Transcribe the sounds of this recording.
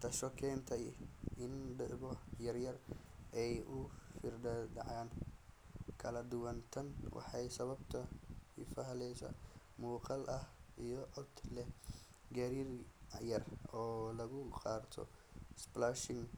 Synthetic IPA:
t̪ʰɐʃɔkʰɛnt̪ʰɐɪnɖɪʕbɔjɐrjɐrɛjʔʊfɪrɖɐd̪ɑ̰ʕaːn | kʰɐlɐd̪ʊwɐnt̪ʰɐnwɑ̰ħɑjsɐβɐbt̪ʰɐɪ̰fɐɦlɛjsɐ̰ | muːqɑlʔɐhijɔʕɔd̪lɛ | ɡɐɾiːrjɐrɔːlɐɣʊqɑːɾt̪ʰɔ̰sblaʃɪŋ

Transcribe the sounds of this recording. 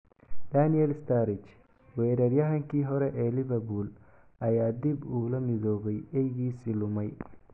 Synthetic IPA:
d̪̥aniɛlst̪ʰaɾɪt͡ʃ | wɛːɾɐrjɐɦɐŋkʰiːɦɔɾɛʔɛlɪβɐbul | ʔɐjaːd̪ibuːlɐmɪðɔːβɛjɛjɣiːsilʊmɛj

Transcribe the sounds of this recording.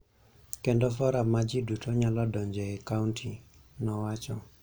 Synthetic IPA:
kendɔfɔɾamad͡ʒidutʰoɲalɔdɔɲd͡ʒɛɛkauntʰi | nɔwat͡ʃɔ

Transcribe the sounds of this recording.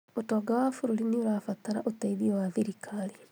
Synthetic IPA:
otɔːɡawafuɾuɾinioɾafat̪aɾa̰ʔotaiðiɔwaðiɾikʰali

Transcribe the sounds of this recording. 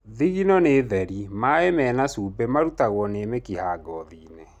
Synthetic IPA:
ðiɣinɔneðɛɾimaemɛːnasuːbɛmaɾutaɣwɔnemekihaːɡɔðiːne

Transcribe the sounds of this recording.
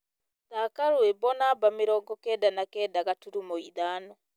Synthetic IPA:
ðakaɾwebɔnabameɾɔːŋɡɔkɛːdanakɛːdaɣatuɾumoiðaːnɔ

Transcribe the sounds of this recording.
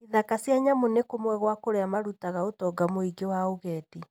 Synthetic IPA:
iðakasjaɲamonekomwɛɣwakoɾeamaɾutaɣaotɔɡamoiɡewaoɣɛːti

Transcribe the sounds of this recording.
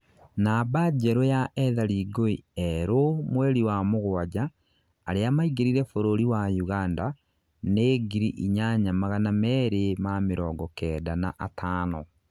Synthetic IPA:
nabad͡ʒɛɾojaʔɛðaɾiɡoiɛɾomwɛɾiwamoɣwad͡ʒaː | ɾeamaiɣeɾiɾɛfoɾoɾiwajuɣanda | neːɡiɾiʔiɲaɲamaɣanamɛːɾemameɾɔːŋɡɔkɛdana̰ʔatʰaːnɔ

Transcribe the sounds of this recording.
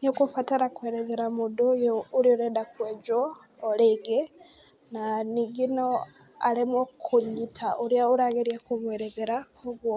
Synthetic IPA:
nokufataɾakweɾeðeɾamudujoulioɾedakwed͡ʒoː | leɡe | naniɡino | alimokʰuɲitʰaʔuɾjauɾaɣeɾjakumweɾeðeɾa | oɣwo

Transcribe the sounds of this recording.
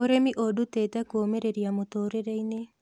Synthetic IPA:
oɾemiʔoduteːtɛkomeɾeɾjamotoɾeɾeine

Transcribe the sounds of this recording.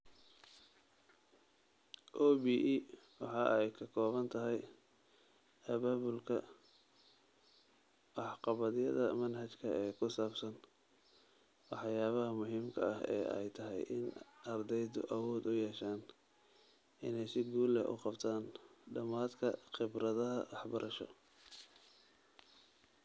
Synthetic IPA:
ʔɔːbiːʔiwɑħɑːʔɛjkʰɐkʰɔːβɐnt̪ʰɐɦɛj | ɐβaːβʊlkʰɐ | ʔɑħqɑβɐðɪjɐðɐmɐnɦɐt͡ʃkʰɐɛːkʰʊsaːbsɐn | wɑħjaːβɐɦɐmʊɦiːmkʰɐ̰ɐhɛ̰ːɛ̰jt̪ʰɐɦɛ̰jʔɪnɐrd̪ɛjðʊ̰ʔɐwɔːd̪ʊjɛːʃaːn | ɪnɛjsɪɡuːlɛ̰ʔʊ̰qɑbt̪ʰaːnɖɐmaːd̪kʰɐχɪbrɐðɐɦɐ̰wɑħbɐɾʔɐʃɔ̰

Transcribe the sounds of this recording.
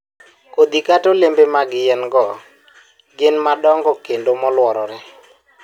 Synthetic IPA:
kod̪ikatolembemaɡɪjɛnɡɔ | ɡɪnmadɔŋɡɔkendomɔlwɔɾɔɾɛ

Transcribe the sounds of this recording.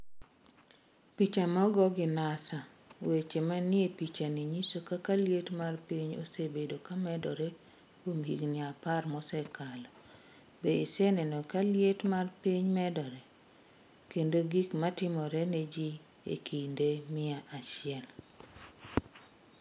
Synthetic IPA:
pit͡ʃamɔɡɔɡɪnasa | wet͡ʃemanɪepit͡ʃaniɲisokakaljetmarpiɲo̰sebedokamɛdɔɾɛ | komhiɡnɪaparmɔsɛkalɔ | beisɛnɛnɔkaljetmarpiɲmɛdɔɾɛ | kendoɡikmatɪmɔɾɛned͡ʒi | ḛkʰindemɪaʔaʃɪɛl

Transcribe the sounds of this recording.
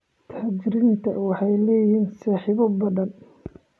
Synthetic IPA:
t̪ʰaːd͡ʒɪɾiːnt̪ʰɐ̰wɑħɑjlɛːjiːnsɑːħiːβɔbɐðɐn

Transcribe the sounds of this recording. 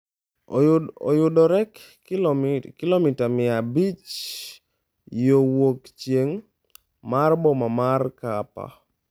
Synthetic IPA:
ɔjʊdɔɾɛk | kɪlomitamɪabit͡ʃ | jowokt͡ʃjeŋ | marbɔmamarkapa̰

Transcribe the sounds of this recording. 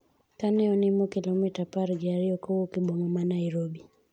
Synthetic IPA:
kanɛɔnimɔkilɔmitapaɾɡiaɾiɔkɔwɔkiɓɔmɔmanaiɾɔbi

